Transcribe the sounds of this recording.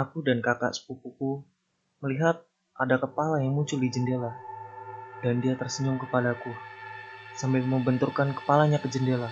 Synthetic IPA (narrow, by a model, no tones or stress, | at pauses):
akudankaka̰ʔsə̥pupuku | məliɦat̪̚ | ʔadakəpalajaŋmuɲt͡ʃʊldid͡ʒəndela | dandiat̪ərsəɲʊŋkəpadaku | sambɛlməbənt̪urkankə̥palaɲakəd͡ʒəndela